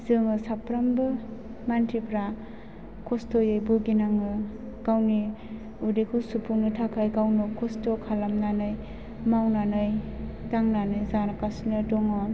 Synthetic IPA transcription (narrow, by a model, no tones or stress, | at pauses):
zɯŋɯsapɾambɯ | mantʰipɾa | kʰɔstɔjɯjbuɡinaŋɯ | ɡ̥awni | udikʰɔsupʰuŋnɯtʰakʰajɡawnɔkʰɔstokʰalamnanɯj | mawnanɯj | taŋnanɯjzanakasnɯdɔŋɔ